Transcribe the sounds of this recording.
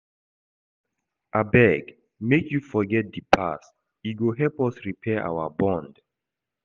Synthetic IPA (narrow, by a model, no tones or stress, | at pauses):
ʔabɛɡ | mekʰjufɔɡɛt̚dipʰa̰s | iɡoɦɛlpɔsɹipʰɛʔa̰wəbɔ̃nd